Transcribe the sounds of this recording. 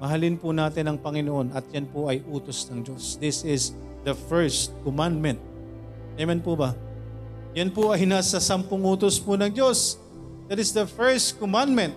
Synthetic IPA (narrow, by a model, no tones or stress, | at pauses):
mɐɦalɪnpʊnaːt̪ɪnɐŋpɐŋɪnoʔo̞nɐt̪̚janpʊʔɐjʔuːt̪osnɐŋd͡ʒo̞sd̪ɪsɪs | d̪ɐfɛɹst̪̚komand̪̚mɛnt̪̚ | ɐmɐnpʊbɐ | janpʊʔɐjnaːsɐsampʊŋʔuːt̪ospʊnɐŋd͡ʒo̞s | d̪at̪ɪsd̪ɐfɛɹst̪̚komãnd̪̚mɛnt̪̚